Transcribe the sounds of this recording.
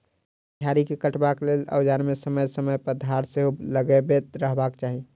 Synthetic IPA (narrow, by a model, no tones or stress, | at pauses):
d̪ʱjaɾikekəʈbaklelə̰ʊd͡ʒaɾmesəməjsəməjpəd̪ʱaɾseɦoləɡebet̪ɾəɦbakt͡ʃaɦi